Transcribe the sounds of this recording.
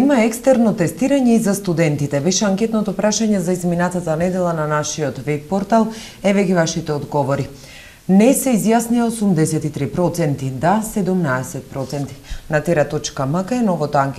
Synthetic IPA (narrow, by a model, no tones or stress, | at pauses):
imaɛkst̪ɛɾnɔt̪ɛst̪iɾaɲɛizast̪ud̪ɛnt̪it̪ɛbɛʃɛaŋkʲɛt̪nɔt̪ɔpɾaʃaɲɛzaizminat̪at̪anɛd̪ɛlˠananaʃiɔt̪vɛpːɔɾt̪alˠ | ɛvɛɡivaʃit̪ɛɔd̪ɡɔvɔɾi | nɛsɛizjasniaosumd̪ɛsɛt̪it̪ɾipɾɔt̪sɛnt̪id̪asɛd̪umnaɛsɛt̪̚pɾɔt̪sɛnt̪i̥nat̪ɛɾat̪ɔt͡ʃkaməkɛnɔvɔt̪oaŋkɛ